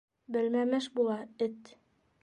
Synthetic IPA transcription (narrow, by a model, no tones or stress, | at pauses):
bɘ̆lmæmɘʃbulˠɑɘt̪